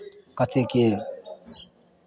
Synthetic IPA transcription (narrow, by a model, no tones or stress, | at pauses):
kʌt̪ʰekel